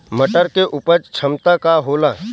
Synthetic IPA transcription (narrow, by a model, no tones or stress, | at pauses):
məʈəɾkeʔupəɾt͡ʃʰəmt̪akaɦoːla